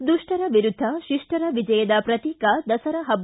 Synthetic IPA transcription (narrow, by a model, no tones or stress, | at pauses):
d̪uʂʈɐɾɐʋiɾud̪ʱːɐʃiʂʈɐɾɐʋid͡ʒɐjɐd̪ɐpɾɐt̪iːkɐd̪ɐsɐɾɐɦɐb